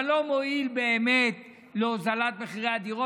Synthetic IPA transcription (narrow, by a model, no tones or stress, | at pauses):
lo̞moilbe̞ːmet̪ | leozalat̪̚meχiʁead̪iʁo